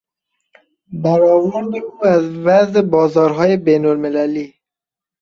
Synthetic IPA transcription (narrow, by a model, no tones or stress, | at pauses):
baɾɒwʊɾd̪euːazvazɪbɒːzɒːɾɦɒːjebenolmɪlaliː